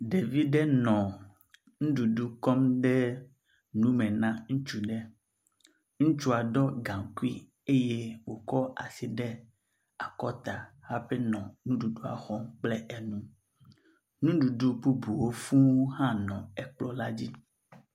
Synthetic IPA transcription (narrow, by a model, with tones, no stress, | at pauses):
ɖe˨vi˦ɖe˦nɔ̃˨ | ŋũ˦ɖu˨ɖu˦kɔ˦mɖɛ˦ | nũ˦mẽ˨nã˦ŋũ˦t͡ʃu˦ɖɛ˦ | ŋũ˦t͡ʃu˦a˨ɖɔ˦ɡã˨ŋku˦i˦ | e˦je˦wo˨kɔ˦a̰˨si˨ɖe˦ | a˨kɔ˦t̪a˨ha˦ɸe˦nɔ̃˨nũ˦ɖu˨ɖu˦a̰˨xɔ˦mk͡ple˦ʔe˨nũ˦ | nũ˦ɖu˨ɖu˦bu˦bu˨wo˦fũ˦wo˦ɦã˦nɔ̃˨ɛ˨k͡plɔ˦la˦d͡ʑi˦